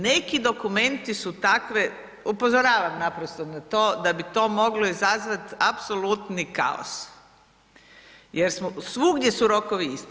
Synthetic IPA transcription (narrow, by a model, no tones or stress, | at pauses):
ne̞kid̪o̞kume̞nt̪isut̪akʋe | upozoɾaːʋamnapɾost̪onat̪oːd̪abit̪o̞ːmo̞ɡloizazʋat̪apso̞lut̪nika̰o̰s | jeɾsmosʋuɡd̪jesuɾo̞koʋiist̪